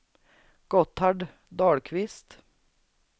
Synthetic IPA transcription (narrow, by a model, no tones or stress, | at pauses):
ɡ̥ɔt̪ɑɖ | d̪ɑːɽkʰʋɪst̪